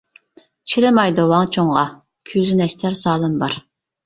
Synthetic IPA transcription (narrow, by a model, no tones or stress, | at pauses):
t͡ʃʰilɪmɑjd̪owɑŋt͡ʃʰoŋʁɑ | kʲʰyzynɛʃt̪ʰæɾsɑːlˠɨmbɑɾ